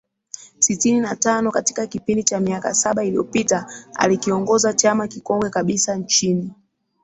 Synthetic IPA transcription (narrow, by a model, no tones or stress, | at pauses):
sitininatanɔkati̥kakipindit͡ʃamiaka̰saɓailijɔ̰pitaa̰likiɔŋɡɔzat͡ʃamakikɔŋɡwɛkaɓisant͡ʃini